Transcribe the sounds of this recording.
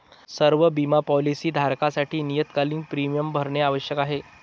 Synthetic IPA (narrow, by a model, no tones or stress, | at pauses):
səɾʋəbimapɔlisiːd̪ʱaɾkasaʈʰiːnijət̪kaliːŋpɾimijəmbʱəɾɳjeaʋəɕjəkaɦe